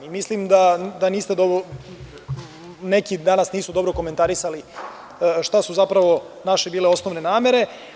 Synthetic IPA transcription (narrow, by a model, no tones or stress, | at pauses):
imislimd̪ad̪aniːst̪ed̪obo | ne̞kid̪anasniːsud̪o̞bɾoko̞ment̪aɾisali | ʃt̪asuzapɾaʋo̞ | naʃebiːle̞o̞sno̞ʋne̞naːme̞ɾe̞